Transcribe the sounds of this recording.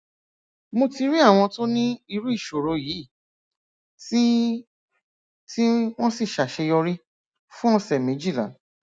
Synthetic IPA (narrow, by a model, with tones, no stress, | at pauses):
mo˧ti˧ɾi˦a˦˨w̃ɔ̃˧to˦nĩ˦i˧ɾu˦i˦˨ʃo˨ɾo˨˧jiː˨˦˨ | ti˦ | ti˦w̃ɔ̃˦si˦˨ʃa˨ʃe˧jɔ˧ɾi˦ | fũ˦ɔ˧sɛ˨mẽ˨˦d͡ʒi˦˨lã̰˨˦